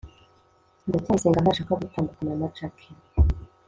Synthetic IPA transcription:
ndetaseːŋɡanaʃaːkaɡutaːndukananat͡ʃakʰi

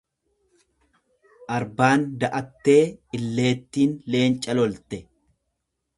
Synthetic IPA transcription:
ʔɐɾbaːnd̪ɐʔɐt̪ːe̞ːɪlːe̞ːt̪ːiːnle̞ːnt͡ʃʼɐlɔlt̪ɛ

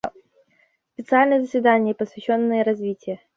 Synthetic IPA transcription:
spʲɪt̪sɨalʲnəjəzəsʲvʲɪd̪anʲɪjəpəsvʲɪɕːo̞nːɨjəɾɐzvʲitʲɪjə

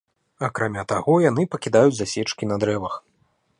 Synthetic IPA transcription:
ɐkɾamʲat̪aɣɔjan̪ɨpɐkʲid̪ajud͡zʲzasʲɛt͡ʂkʲinɐd̪ɾɛvɐx

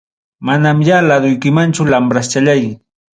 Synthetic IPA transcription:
manamjalad̪ʊjkɪmant͡ʃʊlampɾast͡ʃaʎaj

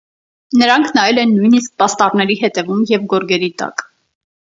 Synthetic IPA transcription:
nəɾɑŋkʰnɑjɛlɛnːujnisk̚pɑst̪ɑrnɛɾihɛt̪ɛvumjɛvɡɔɾɡɛɾit̪ɑ̰k

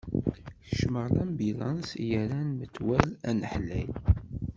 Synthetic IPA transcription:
θəʃməʁlæmbilɑnsjəɾænmət͡s̪ːwælænəħlæjl

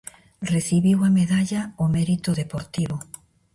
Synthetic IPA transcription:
reθiβiwameðaʎaomeɾit̪oðepoɾt̪iβo

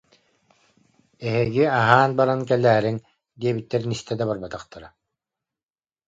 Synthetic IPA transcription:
ɛɦiɡiaɦaːnbaɾankɛlːɛːɾiŋ | d̪iɛbit̪ːɛɾnist̪ɛd̪abaɾbat̪aχt̪aɾa

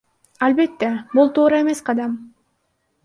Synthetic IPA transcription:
ɑlbe̞t̪ːebulˠt̪ʰuːɾɑe̞me̞sqʰɑd̪ɑm

